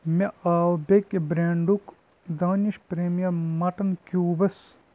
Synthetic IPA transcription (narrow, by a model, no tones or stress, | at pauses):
meaːwbekebɾeːɳɖuk | d̪aːniʃpɾeːmijɐmɐʈɐnkuːbɐs